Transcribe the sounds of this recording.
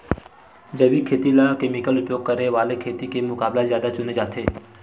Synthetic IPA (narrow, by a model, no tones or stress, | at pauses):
d͡ʒəʋikʰeːt̪ilakemikəlʊpjoːɡ̚kəɾeʋaːlekʰeːt̪ikemʊkaːblazjaːd̪at͡ʃʊned͡ʒaːt̪ʰeː